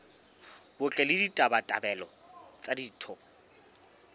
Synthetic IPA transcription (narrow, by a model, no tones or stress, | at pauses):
b̥ʊt͡ɬʼɛlɪditʼabatʼabɛlɔ | t͡sʼadiːtʰɔ